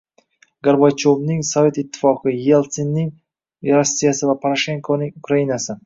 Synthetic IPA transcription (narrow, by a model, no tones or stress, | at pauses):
ɡaɾbat͡ʃʰovnɪŋsɒvʲe̞t̪ɪt̪ʰːɪ̥fɒqɨjelˠt̪senːɪŋ | ɾasːijasɪvapʰaɾaʃe̞ŋkʰonɪŋʊkɾajinasɪ